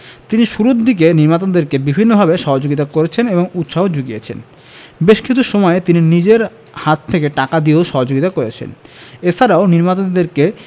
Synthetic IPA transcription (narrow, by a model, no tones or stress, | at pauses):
t̪iniʃuɾud̪ik̬eniɾmat̪ond̪eɾkebibʱinːobʱabeʃɔɦod͡ʑoɡit̪̬akoɾet͡ɕʰeneboŋut̪ʃaod͡ʑuɡiet͡ɕʰḛn | beʃkit͡ɕʰuʃomɔet̪ininid͡ʑeɾ | hat̪ʰːekeʈakad̪ioʃɔɦod͡ʑoɡit̪akoɾet͡ɕʰḛnet͡ɕʰaɾaoniɾmat̪ond̪eɾke